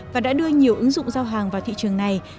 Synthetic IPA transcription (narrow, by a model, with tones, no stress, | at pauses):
vvaː˨˩ɗa̰ː˧˥ɗɨ˧əɲi˨˩əwʔɨ˨˦ŋzʊ̰˧˨ŋ͡mzaː˧wɦaː˨˩ŋvaː˨˩wt̪ʰḭ˧˨t͡ɕɨ˨˩əŋna˨˩j